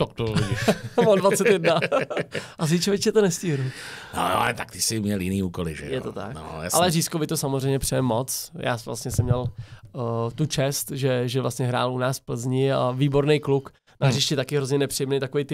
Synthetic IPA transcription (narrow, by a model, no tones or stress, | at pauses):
t̪akt̪oɪiʃmadvat͡sɛt̪jɛdna | ʔaz̬ɪt͡ʃovɛcɛt̪onɛsciːɦnuno̰no̰ɛ̰t̪ak̚t̪ɪsɪmɲɛljɪniːuːkolɪ̰ʒɛ̰jɛt̪ot̪a̰kno̰ja̰a̰lɛriːskovɪt̪osamozrɛjɲɛpr̥ɛjɛmːot͡sja̰ːsvlast̪ɲɛsɛmɲɛl | t̪ut͡ʃɛst̪ʒɛʒɛvlast̪ɲɛɦɾa̰ːlunaːsfpl̩zɲɪaviːbo̞ɾnejkluk | narɪʃcɪt̪akɪɦɾozɲɛnɛpr̥ijɛmnejt̪akovejt̪ɪ